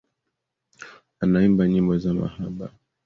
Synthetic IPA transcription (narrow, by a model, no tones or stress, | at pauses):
anaimbaɲimbɔzama̰haɓa